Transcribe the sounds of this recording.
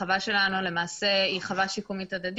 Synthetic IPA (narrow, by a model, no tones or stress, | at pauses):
avaʃe̞lanule̞maːse̞iχavaʃikumit̪ad̪ad̪